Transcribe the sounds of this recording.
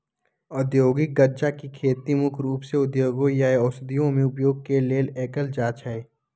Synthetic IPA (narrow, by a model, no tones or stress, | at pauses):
ɔd̪joːɡɪk̚ɡəɾd͡ʒakikʰeːt̪imʊkʰɾuːpseʊd̪joːɡõjaeɔsd̪ijõmẽʊpjoːɡ̚keleːleːkəld͡ʒaːt͡ʃɦɛe